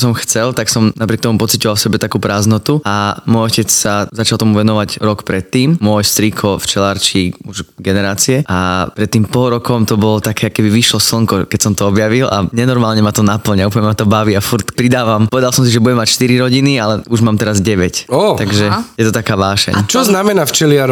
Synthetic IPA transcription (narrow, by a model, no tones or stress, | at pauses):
sɔmxt͡sɛlt̪aksɔmnap̬ɾɪɛk̚t̪ɔmupɔt͡sicɔʋalfsɛbɛt̪akuːpɾaːznɔt̪uamɔjɔcɛt͡ssazat͡ʃalˠt̪ɔmuʋɛnɔʋaɟɾɔkpɾɛt̪ːiːmmʊɔjst̪ɾikʰɔft͡ʃɛlaɾt͡ʃiuʒɡɛnɛɾaːt͡siɛapɾɛt̪ːiːmpɔlˠɾɔkɔmt̪ɔbɔlɔt̪akɛːakkɛbiʋiʃlɔsl̩ŋkɔkɛcsɔmt̪ɔɔbjaʋila̰ɲɛnɔɾmaːlɲɛmat̪ɔnapl̩ɲauplɲɛmat̪ɔbaʋiafuɾt̪pɾid̪aːʋamɔʋɛd̪alˠsɔms̬iʒɛbuɟɛmacʃt̪iɾiɾɔɟinialɛuʒmaːmt̪ɛɾazɟɛʋɛcɔt̪aɡʒɛjɛt̪ɔt̪akaːʋaːʃɛ̰ɲt͡ʃɔznamɛnaft͡ʃɛlɪaɾ